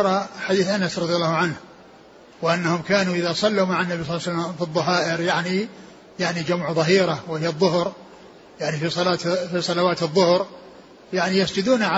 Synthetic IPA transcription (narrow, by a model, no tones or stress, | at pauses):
ɾˤɑħad̪iːθʔanasɾˤɑðˤjalːaːhʕanh | wɪʔanːahʊmkaːnuʔɪðasˤɑlːumaʕanːabisˤlːsalːamfiðˤːɑɦaːʔɪɾjaʕni | jaʕnid͡ʒamʕðˤɑɦiːɾawɪhɪjːaðˤːʊhɾ | jaʕnifisˤɑlaːfisˤɑlawaːt̪ɨðˤːʊhɾ | jaʕnijasd͡ʒɪd̪uːnʕa